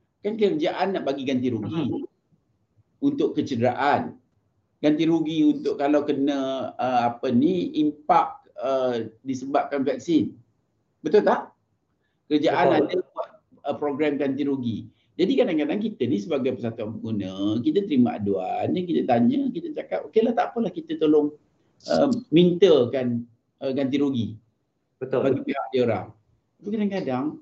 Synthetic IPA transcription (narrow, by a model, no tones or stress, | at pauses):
kankəɾəd͡ʒaʔanːaʔbaɡiɡant̪iɾuɡi | unt̪ʊʔkːət͡ʃədəɾaʔan | ɡ̥ant̪iɾuɡiunt̪ʊʔkːalawkənə̃əapəniimpak̚ədisəbap̚kanvɛk̚sin | bət̪ʊlt̪ah | kəɾəd͡ʒaʔanadəwaʔ | əpɾoɡɾɛmkant̪iɾoɡi | d͡ʒadikadaŋkadaŋkit̪ənisəbaɡajpəsat̪uanpəɡunə̃kit̪ət̪əɾimaʔa̰duanəkit̪ət̪aɲəkit̪əd͡ʒakapokelaht̪aʔpəlahkit̪ət̪olʊŋ | ʔəmint̪əkan | əkant̪̬iɾoɡi | bət̪baɡipeɦaʔ̚dioɾa̰ŋ | kukadaŋkadaŋ